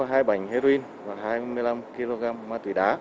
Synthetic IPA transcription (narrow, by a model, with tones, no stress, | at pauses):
a˨˦ɦaː˧jɓa˨˩jŋ̟he˧ɾo˧ʔi˧n | vaː˨˩ɦaː˧jmɨ˧jla˧mki˧lo˧ɣaː˧mːaː˧˩t̪wḭ˨˩ɗa̰ː˨˦